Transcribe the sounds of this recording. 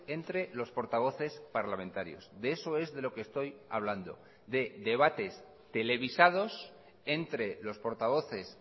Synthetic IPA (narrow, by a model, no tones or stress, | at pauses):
e̞nt̪ɾe̞lo̞spo̞ɾt̪aβ̞o̞θe̞spaɾlamẽ̞nt̪aɾjo̞̰zdeeso̞e̞zðe̞lo̞kest̪o̞jaβ̞land̪o̞̰ | d̪e̞ðe̞β̞at̪e̞s | t̪e̞le̞βisað̞o̞s | e̞nt̪ɾe̞lo̞spo̞ɾt̪aβ̞o̞θe̞s